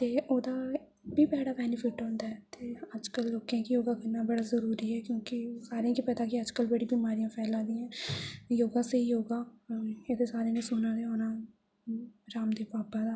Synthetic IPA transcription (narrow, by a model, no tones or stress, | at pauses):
t̪eːʔoːd̪aː | biːbɛːɽaːbɛːnɪpʰɪʈɦõːnd̪aːɛːt̪eːəd͡ʒkəlːoːkãːkijoːɡãːkənːaːbəɽaːzəɾuːɾiːɛːkjõːkɪsaːɾẽːkipɛd̪aːkɪəd͡ʒkəlbəɽiːbimaːɾijãːpʰɛːlãːd̪ĩːãːjoːɡãːseɦijoːɡãːed̪esaːɾenesoːnãːd̪eɦoːnaː | ɾaːmd̪eːpaːpãːd̪aː